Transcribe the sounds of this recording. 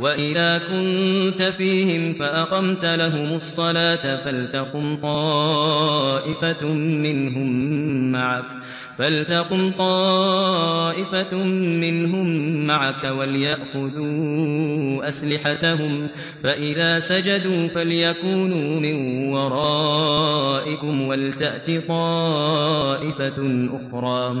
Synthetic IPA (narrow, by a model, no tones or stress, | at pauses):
waʔɪðaːkʊnt̪afiːhɪmfaʔaqɑmt̪laɦʊmɑsˤːɑlaːt̪falt̪aqʊmt̪ˤɑː | ʔɪfamɪnɦʊmːaʕak̚ | falt̪aqʊmt̪ˤɑː | ʔɪfamɪnɦʊmːaʕakawaljaʔxʊðuː | ʔaslɪħat̪ahʊm | faʔɪðaːsad͡ʒad̪uːfaljakuːnuːmɪnwɑɾˤɑː | ʔɪkʊmwalt̪aʔt̪it̪ˤɑː | ʔɪfaʔʊxɾˤɑː